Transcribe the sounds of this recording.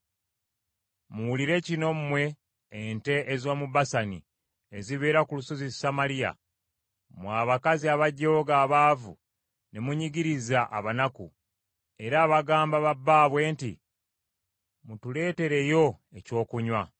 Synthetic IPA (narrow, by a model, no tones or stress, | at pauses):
muwuliɾe̞cino̞mumwe̞ː | nte̞ʔezo̞ːmubasanḭ | eziβeːɾakulusozisamalija̰ | mwaːβakaziaβaɟːoːɡaːβaːvṵ | ne̞muɲiɡiɾizaʔa̰βanakṵ | e̞ɾaːβaɡaːmbaβabːaːβwe̞ːntḭ | mutule̞ːte̞ɾe̞jo̞ | eco̞ːkuɲwa